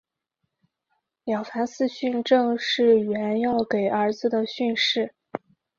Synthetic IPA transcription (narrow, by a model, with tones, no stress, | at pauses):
ljɑ˨˩ʊfa˧˥nsɹ̩˥˧ɕy˥˧nʈ͡ʂɤ˥˧ŋʂɻ̩˥˩ɥɛ˧˥njɑ˥˩ʊke˨˩ɪʔə˞˧˥d͡zɹ̩˧d̪ə˩ɕy˥˧nʂɻ̩˥˩